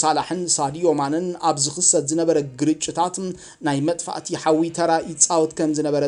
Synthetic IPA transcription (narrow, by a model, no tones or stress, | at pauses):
salaħɨnsad̪ijomanɨnaβzɨxɨsɐd̪zɨnɐβɐɾɐɡɨɾɨt͡ʃʼːɪt̪ʰat̪ | najmɐt̪ʼfa̰ʔt̪ʰiħawit̪ʰɐɾaʔit͡sʼawt̪kʰɐmzɨnɐβɐɾɐ